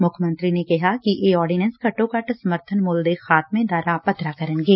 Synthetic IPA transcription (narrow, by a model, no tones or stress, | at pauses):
mʊkʰmə̃nt̪ɾinekɐɦakiʔeːɔːɾɖinɛ̃nskɐʈõkɐʈsɐməɾt̪ʰənmʊld̪exaːt̪̚mẽd̪aːɾapɐt̪ɾakɐɾənɡeː